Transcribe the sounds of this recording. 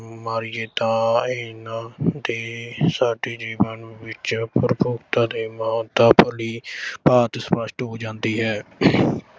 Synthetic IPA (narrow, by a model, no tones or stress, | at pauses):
maːɾɪjeːt̪ãːeːnãːd̪eːsaːɖeːd͡ʒiːʋənʋɪt͡ʃpəɾəpoːkt̪ãːd̪eːməaːt̪aːpəliːpaːt̪spəʃʈɦoːd͡ʒãːnd̪iːɦɛː